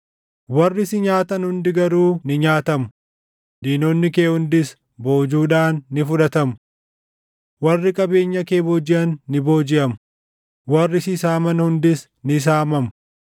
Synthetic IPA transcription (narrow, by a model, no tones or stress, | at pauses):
wɐrːɪsɪɲaːt̪ɐnhʊnd̪ɪɡɐɾuːnɪɲaːt̪ɐmʊ | d̪iːnonːɪke̞ːhʊnd̪ɪs | bo̞ːd͡ʒuːᶑaːnːɪfʊᶑɐt̪ɐm | wɐrːɪkʼɐbe̞ːɲːɐke̞ːboːd͡ʒɪʔɐnːɪboːd͡ʒɪʔɐmʊ | wɐrːɪsɪsaːmɐnhʊnd̪ɪs | nɪs̬aːmɐmʊ̥